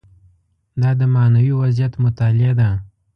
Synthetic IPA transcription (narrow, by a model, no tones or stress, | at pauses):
d̪ɑd̪əmanawiwazjat̪mʊt̪alɪad̪a